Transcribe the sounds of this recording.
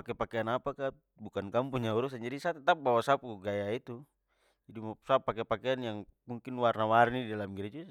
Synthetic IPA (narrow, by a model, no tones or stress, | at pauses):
pakɛpakɛanapaka | bukankampuɲauɾus̬and͡ʒadisat̪ɛt̪ap̚bawasapuɡajait̪u | idumasapːakɛpakɛanjaŋ | muŋkinwarnawarnididalamɡiɾɛd͡ʒu